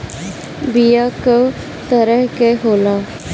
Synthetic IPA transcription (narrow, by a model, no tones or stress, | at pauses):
bijaːkə | t̪əɾəɦkeɦoːlaː